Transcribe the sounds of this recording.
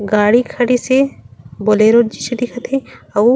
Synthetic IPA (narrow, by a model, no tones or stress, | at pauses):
ɡaːɽikʰɐɽiseboleɾoːd͡ʒised̪ɪkʰət̪ʰeɐu